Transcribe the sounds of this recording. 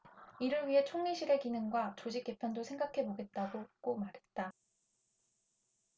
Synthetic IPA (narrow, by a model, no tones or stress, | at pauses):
iɾɯɭɥiɦe̞t͡ɕʰoŋɲiɕʰiɾekinɯŋɡwat͡ɕod͡ʑik͈e̞pʰjʌndosʰe̞ŋɡakʰe̞boɡe̞t̚t͈aɡok͈omaɾɦe̞t̚t͈a